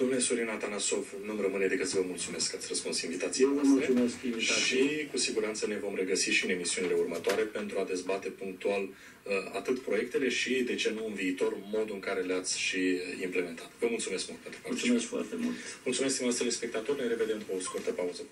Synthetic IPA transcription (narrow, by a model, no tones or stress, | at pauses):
d̪omnelesuɾinat̪anaso̞vnumrəmɨned̪eɡəsivəmult̪sume̞skːat̪sʲrəspunsinvit̪at̪sijvəmulumeskinviikusiɡuɾant̪səne̞vo̞mre̞ɡəsiʃiɨne̞misiunile̞urmət̪oaɾe̞pe̞nt̪ɾuad̪e̞zbat̪e̞puŋk̚t̪ual | əa̰t̪ɨt̪pɾo̞je̞k̚t̪e̞le̞ʃid̪e̞t͡ʃe̞nuɨnviːt̪o̞rmo̞d̪uɨŋkaɾe̞leat̪sʲʃiimple̞me̞nt̪ʰat̪vəmult̪sumeskmult̪̚pe̞nt̪ɾupaieskfoa̰rt̪emṵlt̪multsumeskt̪imast̪elespe̞kt̪at̪o̞ɾɨnɾe̞ve̞d̪e̞mkoskurt̪əpauzə